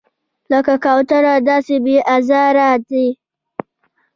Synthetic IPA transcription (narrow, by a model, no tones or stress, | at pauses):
lɐkakawtɐɾadaːsɪbiʔazaːɾaːte